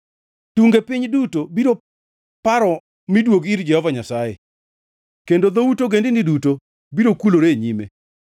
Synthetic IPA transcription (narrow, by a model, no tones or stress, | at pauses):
tuŋɡepɪɲdutobiɾo | paɾɔ | midwoɡiɾd͡ʒɛhɔvaɲasajḛ | kendod̪outoɡendɪniduto | biɾokuloɾeɲime